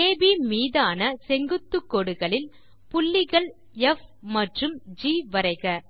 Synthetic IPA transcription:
eːbimiːðaːnɐsɛŋɡɯt̪ːɯkːɔɽɯɣɐɭɪl | pʊɭːɪɣɐɭ | ɛfmɐʈrɯmd͡ʒiːʋɐɾɐɪɣɐ

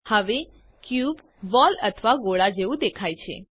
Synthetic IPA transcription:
həʋe | kjub | ʋɔlət̪ʰəʋaɡoɭad͡ʒeʋũd̪ekʰajt͡ʃʰḛ

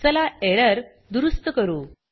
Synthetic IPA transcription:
səlaeɾəɾ | d̪uɾust̪əkəɾuː

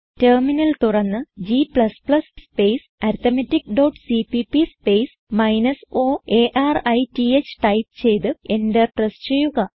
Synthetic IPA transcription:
terminɐlt̪urɐnːɨd͡ʑiplɐsplɐsspe̞js | ɐɾt̪ɐmɐtːikːɖoːʈsipipispe̞js | mɐjnɐso̞ːeːʔaːrɐjtiet͡ɕːɨ̥ʈɐjp̚t͡ɕe̞jt̪ɨe̞ndeʈrɐst͡ɕe̞jːuɣɐ

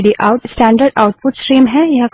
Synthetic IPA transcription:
ɖiʔaʊʈsʈɛ̃ːɳɖəɾɖaʊʈ̚pʊʈsʈɾiːmɦɛjɐk

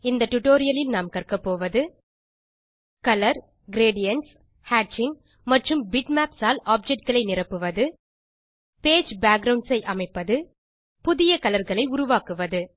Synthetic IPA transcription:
ɪnd̪ɐʈːʊʈoːɾɪjɐlɪlnaːmkɐrkɐpːoːʋɐðɯ | kɐlɐɾ | ɡɪɾeːɖɪjɐɳʈs | haːʈt͡ʃɪŋ | mɐʈrɯmbɪʈmaːpsaːlaːp̚d͡ʒɛk̚ʈ̚ɡɐɭɐɪnɪrɐpːɯʋɐðɯ | peːd͡ʒbaːk̚ɡɾɐʊɳɖsɐɪʔɐmɐɪpːɐðɯ | pʊðɪjɐkɐlɐɾɣɐɭɐɪʊɾʊʋaːkɯʋɐðɯ

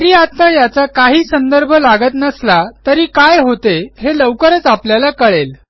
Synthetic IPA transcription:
ɾiːat̪ːajat͡sakaɦiːsənd̪əɾbʱəlaɡət̪nəslat̪əɾiːkajɦot̪eɦeləwkəɾət͡sapljalakəɭel

